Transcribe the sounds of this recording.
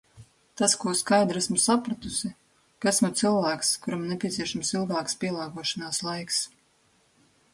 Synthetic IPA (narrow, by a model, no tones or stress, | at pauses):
t̪askuɔskajd̪ɾæsmusapɾat̪usi | kasmut̪sɨlˠvæːkskuɾamnepʲiɛt̪siɛʃamsilˠɡaːkspʲiɛlˠaːɡuɔʃanaːslˠajks